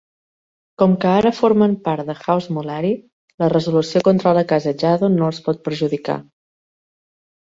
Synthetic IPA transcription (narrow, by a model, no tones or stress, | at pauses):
kɔmkəaɾəfoɾməmpaɾt̪d̪əxawzmulaɾi | lərəzulusiokont̪ɾaləkazəd͡ʒaðonoəspɔt̪̚pəɾʒuðika̰